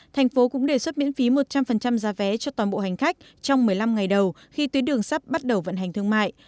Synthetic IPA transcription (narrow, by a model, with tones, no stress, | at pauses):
t̪ʰɛ˨˩jŋ̟fo˨˦kʊ̰˧˥ŋ͡mɗe˨˩swə˦˥t̚mḭ˧˥ənfi˨˦mo˨˩t̚t͡ɕa˧mfə˨˩nt͡ɕa˧mzaː˨˦vɛ˨˦t͡ɕɔ˧t̪waː˨˩nɓo̰˧˨ha˨˩jŋ̟xa˦˥jk̟̚ | t͡ɕɔ˧wŋ͡mmɨ˨˩əjla˧mŋa˨˩jɗə˨˩w | xi˧t̪wi˨˦ɗɨ˨˩əŋsaː˦˥p̚ɓa˦˥t̚ɗə˨˩wvə̰˧˨nɦa˨˩ŋ̟t̪ʰɨ˧əŋma̰ː˧˨jʔ